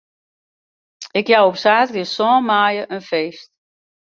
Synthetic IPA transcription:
ɪkjawopsaːtɡəsɔːnmaːjəʔənfeːst̚

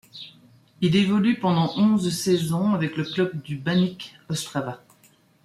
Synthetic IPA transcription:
ilevɔlypɑ̃d̪ɑ̃ʔɔ̃zsɛzɔ̃avɛkləklœb̚d̪ybanikɔst̪χava

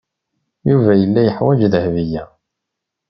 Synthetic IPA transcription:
juvæjəlːæjəħwæd͡ʒðəhvijæ

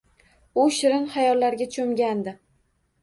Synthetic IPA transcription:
ʊʃɪɾɪnχajɒlːaɾɡʲat͡ʃʰomɡʲand̪ɪ

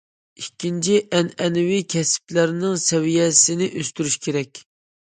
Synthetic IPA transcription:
ikʲːint͡ʃʰiʔɛnɛnɪwikʲʰɛsɪ̥plæɾnɪŋsɛwijɛsɪnɪʔøst̪yɾyʃkʲʰeɾɛkʲ

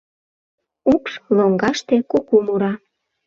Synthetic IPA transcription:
ukʃloŋɡɑʃt̪ekokumuɾɑ

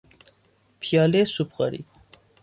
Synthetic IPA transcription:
pʰjɑːlesupɣa̰ɾḭ

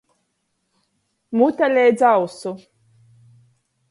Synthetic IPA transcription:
mut̪alʲɛjd̪zawsu

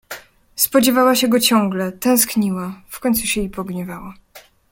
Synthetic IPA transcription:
spɔd͡ʑɛvawaɕɛɡɔt͡ɕɔ̃ŋɡlɛt̪ɛ̃w̃skɲiwafkɔɲʲt̪suɕɛipɔɡɲɛvawa

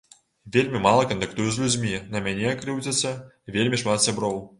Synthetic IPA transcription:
vʲelʲmʲimɑlˠəkont̪akt̪ujuz̬ʲlʲud͡zʲmʲinɐmʲænʲeakrɨwdʲet͡sʲə | vʲelʲmʲiʂmat̪sʲabɾow

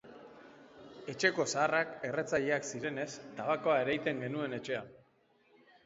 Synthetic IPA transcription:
e̞t͡ʃe̞ko̞saːrake̞re̞t͡saʎeaksiɾe̞ne̞st̪aβako̞ae̞ɾajt̪e̞ŋɡe̞nue̞ne̞t͡ʃe̞a

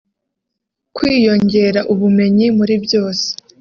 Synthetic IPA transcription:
kwiːjo̞ɲɟe̞ːɾaʔuβume̞ɲimuɾibjo̞ːse̥

